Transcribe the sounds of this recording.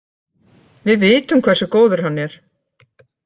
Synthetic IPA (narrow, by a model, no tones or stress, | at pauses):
vɪðvɪːt̪ʏmkʰvɛrsʏkoːwðʏɾ̥hanːɛɾ̥